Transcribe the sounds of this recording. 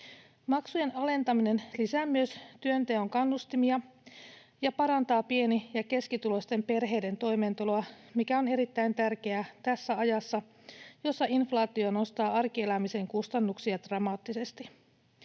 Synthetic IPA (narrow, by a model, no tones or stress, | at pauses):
mɑksuje̞nɑle̞nt̪ɑmine̞nlisæːmːyøst̪yønt̪eoŋkɑnːust̪imiɑ | jɑpɑɾɑnt̪ɑːpie̞nijɑke̞skit̪ulo̞st̪e̞mpe̞rɦe̞jde̞nt̪o̞jme̞ːnt̪uloɑmikæo̞ne̞ɾit̪ːæint̪ærke̞æt̪æsːæɑjɑsːɑ | jo̞sːɑʔinflɑːt̪iono̞st̪ɑːɑrkie̞læmise̞ŋkust̪ɑnːuksiɑd̪̥rɑmɑːt̪ːise̞st̪i